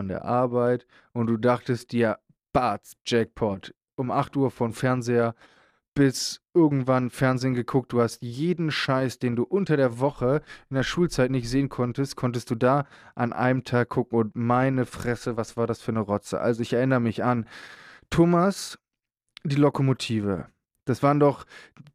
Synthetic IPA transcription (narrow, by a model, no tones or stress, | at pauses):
ɔndḛːɐʔaɐbaɪt | ʔʊnt̚d̥uːdaχtəst̚d̥iːɐ | b̥aːt͡std͡ʒ̥ɛk̚pʰɔɐt | ʔʊmʔaχtʔuːɐfɔnfɛɐnzeːɐ | b̥ɪsʔɪɐɡŋ̩tv̥anfɛɐnzeːnɡəkʰʊk̚t̚d̥uːhastjeːdn̩ʃaɪsd̥eːnduːʔʊntɐɾeːɐvɔχəʔɪndeːɐʃuːlt͡saɪtnɪçtz̥eːənkʰɔntəstkʰɔntəstd̥uːdaːʔanʔa̰ɪnəmtʰaːkʰːʊkŋ̩ʊntmaɪnəfʁ̥ɛsəvasv̥aːɐdasfyːɐnəʁɔt͡sə̰ʔa̰lzoɪçɛɐɪnəʁəmɪçantʰoːmas | d̥iːlokʰomotʰiːvə̰ | d̥asv̥aːʁəndɔχ